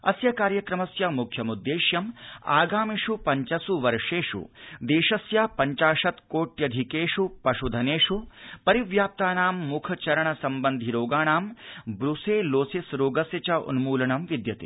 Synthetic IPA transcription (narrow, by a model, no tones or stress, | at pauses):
ɐ̰sjɐkaːɾjɐkɾɐmɐsjamukʰjɐmud̪ːeːʃjɐmaːɡaːmiʂupɐɲt͡ʃɐsuʋɐɾʂeːʂṵd̪eːʂɐsjaːpɐɲt͡ʃaːʂɐt̪koːʈjɐd̪ʱikeːʂupɐʂud̪ʱɐneːʂupɐɾiʋjaːp̚t̪aːnaːmːukʰɐt͡ʃɐɾɐɳɐsɐmbɐnd̪ʱiɾoːɡaːɳaːmbɾuseːloːsisɾoːɡɐsjɐt͡ʃɐʔṵnmuːlɐɳɐmʋid̪jɐt̪ḛ